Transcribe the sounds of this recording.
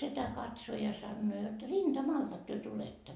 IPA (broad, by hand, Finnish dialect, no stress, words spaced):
setæ kɑtso jɑ sɑnːoː jot rind̥ɑmɑltɑk tyø tuletːɑ